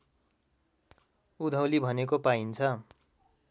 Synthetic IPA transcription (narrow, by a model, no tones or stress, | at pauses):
ud̪ʱawlibʱʌnekopaint͡sʰʌ